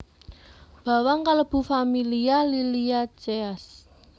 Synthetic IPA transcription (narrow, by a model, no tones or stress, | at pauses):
b̥ä̤waŋkaləb̥ṳfamilialiliat͡ʃeas